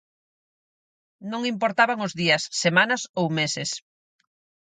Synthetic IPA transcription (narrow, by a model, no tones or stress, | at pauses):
nõŋimpoɾt̪aβaŋʊzðiɐsːemanɐsowmesɪs